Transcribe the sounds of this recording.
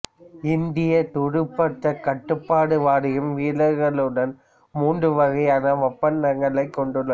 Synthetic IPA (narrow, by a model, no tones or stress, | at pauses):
ɪnd̪ɪjɐt̪ʊɽɯpːɐʈːɐkɐʈːɯpːaːɽɯʋaːɽɪɣɯmʋiːlɐɾɣɐɭɯɽɐn | muːɳɖrɯʋɐɣɐɪɐnɐʋɐpːɐnːɐŋɡɐɭɐɪkːɔɳɖɯɭːɐ